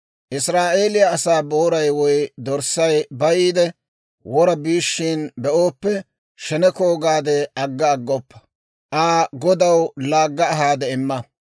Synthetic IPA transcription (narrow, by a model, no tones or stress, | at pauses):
ʔɪsɾaːʔe̞ːlɪjɐːsaːbo̞ːɾɐjwɔjd̪ɔɾsɐjbɐjiːd̪ɛ | wɔɾɐbiːʃːinbɛʔoːpːɛ | ʃɛnɛkoːɡaːd̪ɛɐɡːɐːɡːɔpːɐ̥ | ʔaːɡɔd̪ɐwlaːɡːɐːɦaːd̪ɛɪmːɐ